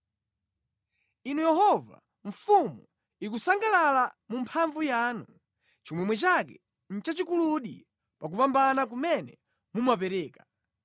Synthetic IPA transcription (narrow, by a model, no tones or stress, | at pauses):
inujɛhɔva̰ | ɱ̩fumu | ik̬usaŋɡalalamumpʰaɱvujanu | t͡ʃimwɛmwɛt͡ʃakɛ̰ | n̩t͡ʃat͡ʃikuluɗi | pak̬upambanak̬umɛnɛ | mumapɛɾɛːka